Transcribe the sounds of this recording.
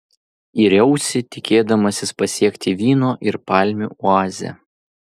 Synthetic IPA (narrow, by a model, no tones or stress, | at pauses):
iɾʲɛʊsʲɪt̪ʲɪkʲeːd̪ɐmɐsʲɪspɐsʲiɛkʲt̪ʲɪʋʲiːnoːʔɪɾpɑːlʲmʲṵːˑʊɑːzʲɛ̰